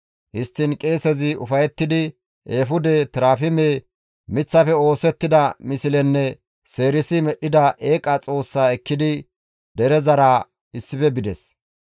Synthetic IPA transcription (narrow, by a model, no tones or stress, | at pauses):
hɪst̪ːɪnkʼe̞ːsɛzɪʊ̰fɐjɛt̪ːɪd̪ɪ | ʔeːfʊd̪ɛt̪ɪɾaːfɪmeː | mɪt͡sːɐfɛo̞ːsɛt̪ːɪd̪ɐmɪsɪlɛnːɛ | se̞ːɾɪsɪmɛɗːɪd̪ɐʔe̞ːkʼɐt͡sʼo̞ːsːaːɛkːɪd̪ɪ | d̪ɛɾɛzɐɾaː | ɪsːɪfɛbɪd̪ɛs